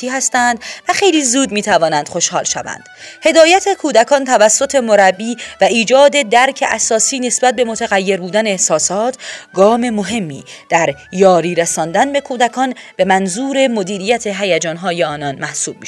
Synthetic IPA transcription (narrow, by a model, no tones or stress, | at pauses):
iːɦæst̪ænd̪væxejliːzuːd̪miːt̪ʰævɒːnænd̪̥χo̞ʃhɒːlʃæ̰væ̰nd̪̥he̞d̪ɒːjæt̪ʰe̞kʰuːd̪ækʰɒːnt̪ʰævæsːo̞t̪ʰe̞moɾæbːiːvæiːd͡ʒɒːd̪e̞d̪æɾcʰe̞ʔæsɒːsiːne̞sbæt̪̚be̞mo̞t̪ʰæɣæjːe̞ɾbuːd̪æneehsɒːsɒːt̪ʰɡɒːme̞mo̞ɦe̞mːḭːd̪̥æɾjɒːɾiːɾesɒːnd̪ænbe̞kʰuːd̪ækʰɒːnb̥e̞mænzuːɾe̞mo̞d̪iːɾijæt̪ʰe̞ɦæjæd͡ʒɒːnɦɒːjeɒːnɒnmæhsuːb̥̚miʃ